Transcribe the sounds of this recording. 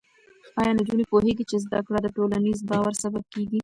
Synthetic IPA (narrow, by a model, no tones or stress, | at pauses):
ɑjɑnd͡ʒunepoɦeɡit͡ʃezd̪akɽad̪əʈolanizbɑwaɾsabab̚keɡi